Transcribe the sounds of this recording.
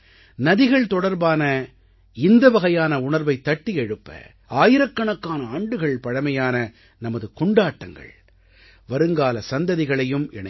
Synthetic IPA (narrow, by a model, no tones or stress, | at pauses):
nɐðɪɣɐɭt̪ɔɽɐɾbaːnɐ | ɪnd̪ɐʋɐɣɐjaːnɐʊɳɐɾbɐɪt̪ːɐʈːijɛɻɯpːɐ̰ | aːjɪɾɐkːɐɳɐkːaːnɐaːɳɖɯɣɐɭpɐɻɐmɐjaːnɐ | nɐmɐðɯkɔɳɖaːʈːɐŋɡɐ̰ɭ | ʋɐɾɯŋɡaːlɐsɐnd̪ɐðɪɣɐɭɐjɯmɛɳɐ